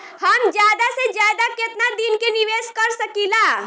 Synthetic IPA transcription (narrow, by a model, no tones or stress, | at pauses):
həmd͡ʒjaːd̪ased͡ʒjaːd̪aket̪nad̪inkeniʋeːskəɾsəkila